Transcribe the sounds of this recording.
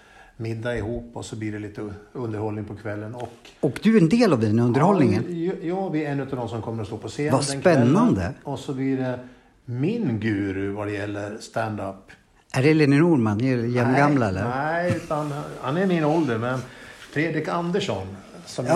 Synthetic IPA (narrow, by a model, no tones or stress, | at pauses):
mɪd̪ːaɪɦuːpːɔsɔbliːɖɛliːt̪əɵnd̪əɾhɔlnɪŋpʰɔkʰvɛlːənɔkɔkd̪ɵæɾɛnd̪eːlavd̪ɛnɵnd̪əɾhɔlnɪŋənjɑːbɪɛnːʉ̟t̪avd̪ɔmsɔmkʰɔmːəɾɔst̪oːpʰɔseːvasnpɛnːand̪əɔsɔbliːɖɛ | mɪnɡʉ̟ːɾɵvad̪ɛjɛlːəɾst̪ænd̪apː | æɖɛɛleːnɪnuːɾmanːɾjɛmːɡamlaɛlːəɾæʉt̪anhanæɾmɪnɔld̪əɾmɛnfɾeːd̪ɾɪkand̪əʂɔn | sɔm